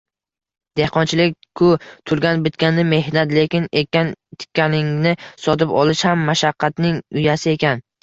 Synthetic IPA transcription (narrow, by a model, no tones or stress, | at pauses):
d̪̥e̞hqʰɒnt͡ʃʰɪlɪk̚ʲkʰʊt̪ʰʊɾɡʲanbɪt̪̚kʲanːɪme̞ɦnat̪le̞kʲɪnekʲant̪ʰɪ̥kʲːanɪŋnɪsɒt̪ɪpɒ̰lˠɪʃhamːaʃaqʰːɑt̪nɪŋʊjasɪe̞kʲan